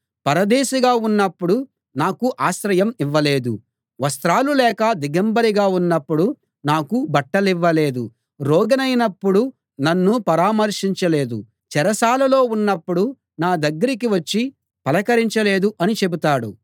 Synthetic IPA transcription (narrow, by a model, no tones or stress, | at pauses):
pɐɾɐd̪ɛːʃiɡaːunːɐpːuɽu | naːkuʔaːʃɾɐjɐmiʋːɐle̞ːd̪ṵ | ʋɐst̪ɾaːlulɛːkɐd̪iɡɐmbɐɾiɡaːunːɐpːuɽu | naːkubɐʈːɐliʋːɐleːd̪ṵ | ɾɔːɡɐnɐjnɐpːuɽu | nɐnːupɐɾaːmɐɾʂiɲt͡ʃɐle̞ːd̪ṵ | t͡ʃɛɾɐsaːlɐlo̞ːunːɐpːuɽu | naːd̪ɐɡːɐɾik̬iʋɐt͡ʃːi | pɐlɐkɐɾiɲt͡ʃɐle̞ːd̪uʔɐnit͡ʃe̞but̪aːɽṵ